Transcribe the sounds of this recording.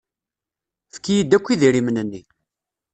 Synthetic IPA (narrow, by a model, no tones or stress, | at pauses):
fə̥kːijid̪ːækʷːiðiɾimnənːi